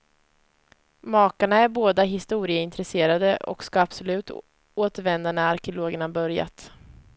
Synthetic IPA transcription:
mɑːkaɳaæɾboːd̪aɦɪst̪uːɾɪəɪnt̪ɾɛseːɾad̪əʔɔ̰kskɑapsɔlʉ̟ːt̪ | oːt̪əɾvɛnd̪anəaɾkɛʊloːɡəɳabœɾja̰t̪

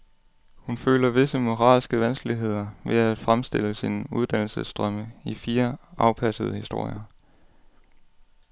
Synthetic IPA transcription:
hunfø̰ːlɐʋe̝səmo̝ʁɑ̰̈ːlsɡ̥əʋænsɡ̥əliɦe̝ð̞̰ˠɐʋe̝æd̥fʁamsd̥e̝l̰əsinuð̞ˠd̥æn̰l̩səsd̥ʁœməifiːɐɑ̈ʊpʰæsəð̞ˠhisd̥o̝ɐ̰jɐ

